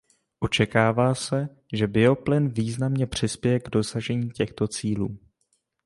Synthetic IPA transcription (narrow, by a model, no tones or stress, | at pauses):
ʔo̞t͡ʃɛkaːvaːsɛ | ʒɛbɪo̞plɪnviːznamɲɛpr̝̥ɪspjɛjɛɡdo̞saʒɛɲiːcɛxt̪o̞t͡siːluː